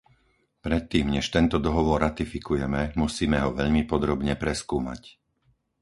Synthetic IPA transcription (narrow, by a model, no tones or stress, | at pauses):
pɾɛt̪ːiːmɲɛʃt̪ɛnt̪ɔd̪ɔɦɔʋɔɾːat̪ifikujɛmɛmusiːmɛɦɔʋɛʎmipɔd̪ɾɔbɲɛpɾɛskuːma̰c